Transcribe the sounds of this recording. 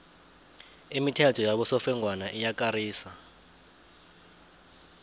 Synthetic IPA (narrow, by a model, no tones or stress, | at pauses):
imitʰatʰɔjaɓɔsɔfɛŋʱwanaʔijak̬ʼaɾiːsa